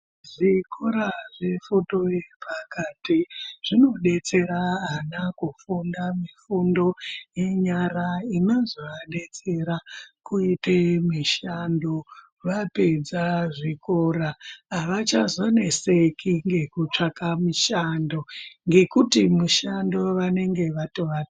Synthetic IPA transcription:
ʐikʰoɾaʐe̞foto̞epakatiʐ̥ino̞ɗe̞t͡se̞ɾaɦanakufundamifundo̞je̞ɲaɾainozoaɗe̞t͡se̞ɾakuitemiʃando | ʋape̞d͡zaʐikoɾaaʋat͡ʃazwane̞sekʰiŋɡe̞kut͡ʂakamiʃandoŋɡe̞kutimuʃando̞ʋane̞ŋɡe̞ʋatoʋa

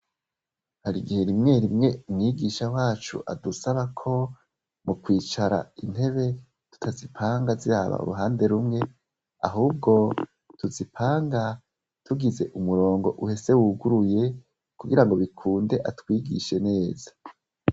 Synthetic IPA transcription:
haɾiɡihe̞ɾimŋe̞ɾimŋe̞umŋiːɡiːʃawaːt͡ʃṵʔa̰dusaβakʰo̞ | mukwiːt͡ʃaɾa̰in̥he̞βe̞ | tu̥tʰazipʰaːŋɡaziɾa̰βa̰ṵɾuɦaːnde̞ɾumŋe̞ | a̰ɦuːb̚ɡo̞ | tuzipʰaːŋɡa | tuɡize̞ʔumuɾo̞ːŋɡo̞̰ʔuhe̞se̞wuɡuɾuje̞ | kuɡiɾaŋɡo̞βikʰuːnde̞ʔatwiːɡḭʃe̞ne̞ːz̥ḁ

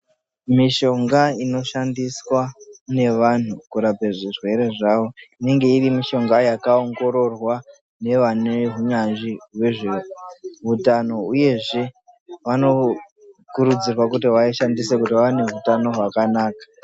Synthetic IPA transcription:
miʃo̞ŋɡaino̞ʃandiswane̞ʋan̤ukuɾapeʐirwe̞ɾe̞ʐaʋo̞ine̞ŋɡe̞irimiʃo̞ŋɡajakao̞ŋɡo̞ɾo̞rwa | ne̞ʋaneɦuɲand͡ʒiɦweʐeroʋutano̞uje̞ʐe̞ | ʋano̞ | kuɾud͡zirwakutiwaiʃandisekutiaʋane̞ʋutano̞ɦwakanaːkḁ

